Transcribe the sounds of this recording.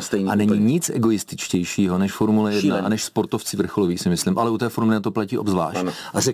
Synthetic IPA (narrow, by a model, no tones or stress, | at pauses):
st̪ɛjnianɛɲiɲɪt͡sʔɛ̰ɡo̞jɪst̪ɪt͡ʃcɛjʃiːɦo̞nɛʃfo̞ɾmulɛjɛdnaʔanɛʃspo̞ɾt̪o̞ft͡sɪvr̩xoloviːxsɪmɪslɪmʔalɛut̪ɛːfoɾmlɪat̪oplaciːʔobzvla̰ːʃʔarɛk